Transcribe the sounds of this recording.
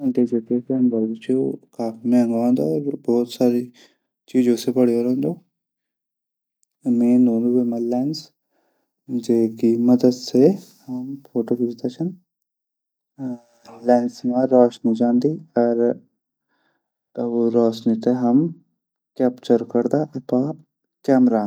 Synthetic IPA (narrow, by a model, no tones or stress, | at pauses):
ɖeːd͡ʒʊkeːsənbaːdt͡ʃikaːfʰimɛ̃ːŋɡʋãːnd̪oɔːɾbɔːt̪saːɾi | t͡ʃiːd͡ʒõsebəɽiɦoːɾãːnd̪oː | mẽːnoːnubeːmãːlɛːns | d͡ʒeːkiməd̪əd̪se | həmpʰoːʈoːkid͡ʒd̪aːt͡ʃʰən | lɛːnsmãːɾɔːʃnũd͡ʒãːnd̪iːɔːɾ | boɾɔːʃnit̪eɦəm | kɛːpt͡ʃəɾkəɾd̪aʔɐpãː | kɛːmɾaː